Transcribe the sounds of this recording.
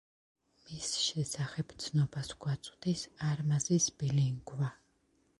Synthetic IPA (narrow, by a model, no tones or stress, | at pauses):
misʃɛsaχɛb̥t̪sʰnɔbasɡwat̪sʼd̪isaɾmazisbiliŋɡva